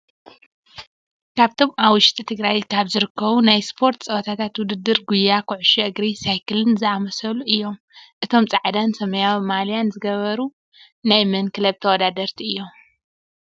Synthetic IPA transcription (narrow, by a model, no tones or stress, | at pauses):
kʰaβt̪ʰo̞mʔaβwʊʃt̪ʼit̪ʰɨɡɾajkʰaβzɨɾɨkʰːɐβunajspʰo̞ɾt̪t͡sʼɐwɐt̪ʰat̪ʰat̪wʊd̪ɨd̪ːɨɾɡujakʰuʕʊʃɛʔɨɡɾisajkʰɨlɨnzɨamɐsɐluʔɨjːo̞m | ʔɨt̪ʰo̞mt͡sʼaʕd̪ansɐmɐjawmalijanzɨɡɐβɐɾu | najmɐnkʰɨlɐβt̪ʰɐwɔd̪ad̪ɐɾt̪ʰiʔɨjːo̞m